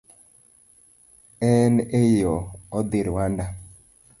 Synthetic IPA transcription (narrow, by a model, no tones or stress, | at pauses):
ɛnejɔɔd̪ɪɾwanda